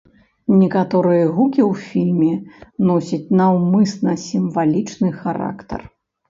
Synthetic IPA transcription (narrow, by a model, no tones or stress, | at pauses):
nʲɛkat̪ɔɾɨjɐɣukʲiwfʲilʲmʲɛnɔsʲɐt͡sʲnɐwmɨsnɐsʲimvalʲit͡ʂnɨxaɾa̰kt̪ɐ̰r